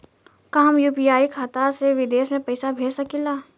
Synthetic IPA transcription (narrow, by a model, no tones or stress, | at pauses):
kaɦəmjuːpijaːikʰaːt̪aseʋɪd̪eːsmẽpɐɪsabʱeːsɐkilaː